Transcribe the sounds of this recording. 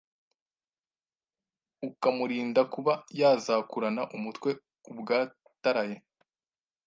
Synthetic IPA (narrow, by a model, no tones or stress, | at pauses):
ukamuɾiːndakuβajaːzakuɾanaʔumutwe̞ | ubɡaː | taɾaje